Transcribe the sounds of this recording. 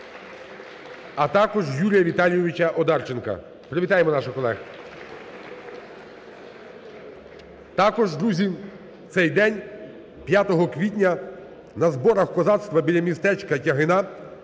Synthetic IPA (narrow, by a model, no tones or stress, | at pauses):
ɐt̪ɑkɔʒjulʲijɐʋʲit̪ɑlʲijɔʋʲit͡ʃɐʔɔd̪ɑrt͡ʃenkɐ̰ | pɾeʋʲit̪ɑjemɔnɑʃʊkɔlˠɛx | t̪ɑkɔʒd̪ɾuzʲi | t̪sɛjd̪ɛnʲ | pʲjat̪ɔɦɔkʋʲit̬ʲnʲɐ | nɐzbɔɾɐxkɔzɑt̪st̪ʋɐbʲilʲɐmʲist̪ɛt͡ʃkɐtʲɐɦɪnɑ